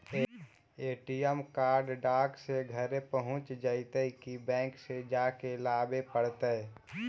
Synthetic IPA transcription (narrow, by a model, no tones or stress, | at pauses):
eːʈiɛmkaːɾɖɖaːkseɡʱəɾepəɦʊ̃t͡ʃd͡ʒəɪt̪əikibɛ̃ːksed͡ʒaːkelaːbepəɽt̪ə